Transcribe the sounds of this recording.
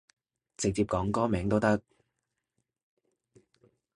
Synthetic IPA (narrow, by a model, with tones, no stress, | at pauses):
t͡sɪ˨˧k̚t͡siː˧p̚kɔː˨˥ŋkɔː˥mɛː˨˥ŋt̪o˥wt̪ɐ˥k̚